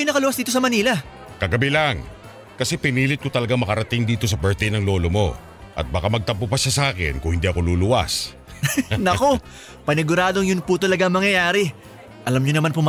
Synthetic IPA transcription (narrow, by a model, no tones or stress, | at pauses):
ʊnɐkɐlʊwas̬d̪iːt̪o̞s̬ɐmɐniːlɐ | kɐɡɐbilaŋ | kɐsɛpɪniːlɪt̪kot̪ɐlɐɡaŋmɐkɐɾɐt̪ɪŋd̪iːt̪o̞s̬ɐbɛɹt̪ɛjnɐŋlo̞ːlo̞mo̞̰ | ʔɐ̰t̪̚bɐkamɐɡ̚t̪ɐpʊpɐʃasɐaːkɛ̰nkʊŋhɪnd̪iɐko̞luːlʊwa̰s | nɐko̞ | pɐnɪɡʊɾaːd̪o̞ŋjʊnpʊt̪ɐlɐɡaɐŋmɐŋjɐjaːɾɛ | ʔɐlamɲʊnɐmanpʊm